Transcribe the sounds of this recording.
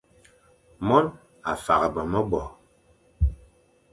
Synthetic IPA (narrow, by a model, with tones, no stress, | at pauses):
mɔ˦n | a̰˨fa˨ɣə˨bə˨mə˦bɔ˨